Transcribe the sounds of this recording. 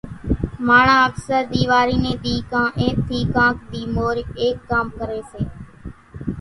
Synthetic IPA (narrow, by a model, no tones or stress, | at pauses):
maːɳãːəksəɾd̪iːʋaːɾiːnẽːd̪iːkãːʔeːk̚t̪ʰiːkãːkd̪iːmoːɾeːkːaːmkəɾeːseː